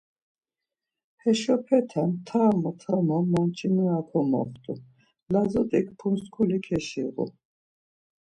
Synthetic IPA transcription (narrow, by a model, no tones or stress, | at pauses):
hɛʃɔpʰɛt̪ʰant̪ʰaːmɔt̪ʰamɔmɔmt͡ʃʼinuakʰɔmɔ̰χt̪ʼu | lazɔt̪ʼik̚ʰpʰunskʰulikʰɛʃiʁṵ